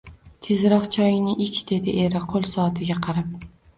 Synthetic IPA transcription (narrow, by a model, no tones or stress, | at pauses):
t̪ʰe̞zɾɒχt͡ʃʰɒjɪnɪʔɪt͡ʃd̪̥e̞d̪ɪʔe̞ɾɪqʰolˠsɒt̪ʰɪɡʲaqʰɑɾap̚